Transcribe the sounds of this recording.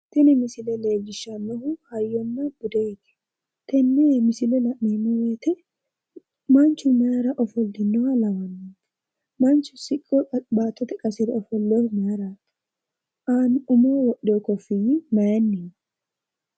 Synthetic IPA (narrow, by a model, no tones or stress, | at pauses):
t̪ɛnɛmɪsɪlɛleːd͡ʒɪʃːɐnːɔhʊhɐjːɔnːɐbʊd̪ɛɪt̪ɛ̥ | t̪ɛnːemɪsɪlɛlɐʔninːɛweːt̪ɛ | mɐnt͡ʃːʊmaaɾɐʔɔfɔlːɪnːɔwalɐwɐnːi̥ | mɐnt͡ʃːʊsɪkʼːɔɐbaːt̪ːɔt̪ɛkʼɐsɪɾɛɔfɔlːoɾmɛaɾaːt̪ | ʔaːnʊmoːwɔʔokɔfijmɐjɐnːin